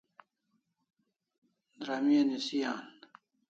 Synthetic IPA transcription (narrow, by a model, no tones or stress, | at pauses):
d̪ɾamiɐnisijaːn